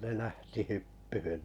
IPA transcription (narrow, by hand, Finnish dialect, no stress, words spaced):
ne læhti hypːyhyn